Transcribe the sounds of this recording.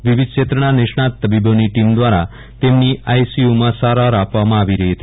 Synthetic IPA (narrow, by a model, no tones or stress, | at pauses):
ʋiʋid̪̚ʱt͡ʃet̪ɾəɳ̃aneʃɳat̪ːəbiboniʈimd̪ʋaɾa | t̪emniajsiumãsaɾaɾapʋamãaʋiɾəɦiɦət̪ʰi